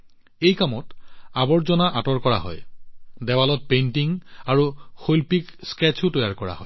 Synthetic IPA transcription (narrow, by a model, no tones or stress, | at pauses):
ejkamɔtabɔɹzɔnaʔatɔɹkɔɹa̰ɦɔ̰jdɛbalɔt̚pentiŋaɹuxojlpikskɛt͡ʃʰʊtɔjaɹkɔɹa̰ɦɔj